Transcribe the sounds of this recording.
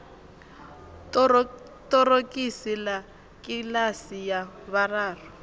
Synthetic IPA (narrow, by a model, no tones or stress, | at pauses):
tʼɔrokʼisila | kʼilasijaβaraːrɔ